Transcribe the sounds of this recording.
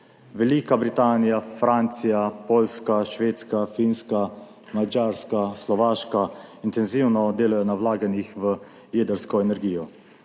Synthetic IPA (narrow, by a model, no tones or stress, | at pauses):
ʋɛliːkabɾit̪aːnijafɾant̪sijapoːlskaʃʋeːt̪skafiːnska | mad͡ʒaːɾskaslɔʋaːʃkaint̪ɛnziːwnɔd̪eːlajɔnawlaːɡanixʋə | ljeːd̪əɾskɔɛnɛɾɡiːjɔ